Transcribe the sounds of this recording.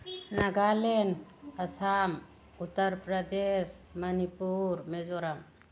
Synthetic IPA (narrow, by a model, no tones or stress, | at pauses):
naɡalenəsam | ut̪ːəɾpɾəd̪esmənipuɾmed͡ʒoɾam